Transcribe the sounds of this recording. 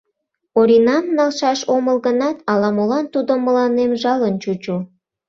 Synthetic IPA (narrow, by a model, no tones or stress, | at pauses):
oɾinɑmnɑlʃɑʃoməlɣənɑt̪ɑlɑmolɑnt̪ud̪oməlɑnemʒɑlənt͡ɕut͡ɕu